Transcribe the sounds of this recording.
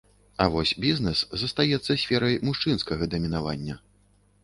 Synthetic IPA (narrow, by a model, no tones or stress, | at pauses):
ɐvɔsʲbʲiznɛszɐst̪ajɛt̪sːɐsʲfʲɛɾɐjmuʂt͡ʂɨnskɐɣɐd̪ɐmʲinava̰nʲːɐ